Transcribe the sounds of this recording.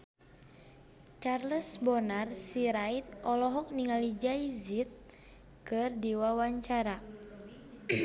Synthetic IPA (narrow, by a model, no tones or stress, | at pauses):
t͡ʃarləsbɔnarsiɾait̪̚ɔlɔɦɔk̚niŋalid͡ʒaizit̪̚ | kɨrdiwawaɲt͡ʃaɾa